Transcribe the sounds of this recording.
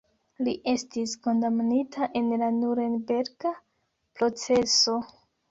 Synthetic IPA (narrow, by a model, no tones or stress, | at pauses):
liʔe̞stisko̞ndamnitʰaʔe̞nlanuɾenbe̞ɾɡa | pɾo̞t͡se̞so̞